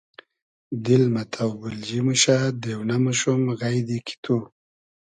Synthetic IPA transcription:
d̪ɪlmat̪ʰawbuld͡ʒimuʃad̪ewnamaʃumɣajd̪ikʰi̥t̪ʰu

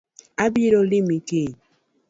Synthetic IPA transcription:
abiɾolimike

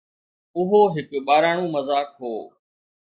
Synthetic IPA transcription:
ʊɦoːɦɪkɓaːɾaːɳ̃ũːməzaːkɦoː

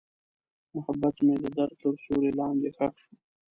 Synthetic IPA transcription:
mʊhabːat̪mẽd̪əd̪aɾ̚t̪əɾsuɾelɑːnd̪exakʃu̥

